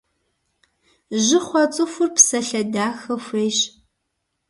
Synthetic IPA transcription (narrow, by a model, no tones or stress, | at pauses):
ʒɪχʷɔt͡sʼɨxʷʊrpsɐɬɐdaːxɐxʷeːɕ